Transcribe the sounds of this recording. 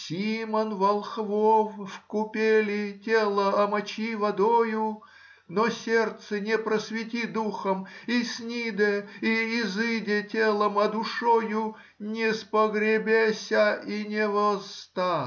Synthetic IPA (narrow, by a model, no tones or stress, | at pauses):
sʲimənvɐlˠxvoffkʊpʲelʲɪtʲelˠəɐmɐt͡ɕivɐd̪ojʊ | nosʲert̪sɨnʲɪpɾəsvʲɪtʲid̪uxəmisʲnʲid̪əiːzɨdʲɪtʲelˠəmɐd̪ʊʂojʊ | nʲɪspəɡɾʲɪbʲesʲəinʲɪvɐst̪a